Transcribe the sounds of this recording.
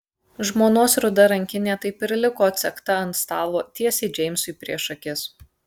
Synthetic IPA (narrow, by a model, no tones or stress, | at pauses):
ʒmoːnoːsɾʊd̪ɐɾɐŋʲkʲɪnʲeːt̪ɐɪpɪɾʲlʲɪkoːɐt̪sʲɛkt̪ɐɐnt̪st̪ɑːʋoːt̪ʲiɛsʲɛɪd͡ʒʲɛɪmʲsʊɪpʲɾʲiɛʃɐkʲɪs